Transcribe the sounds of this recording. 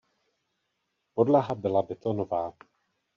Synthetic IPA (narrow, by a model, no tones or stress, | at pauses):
po̞dlaɦabɪlabɪt̪onovaː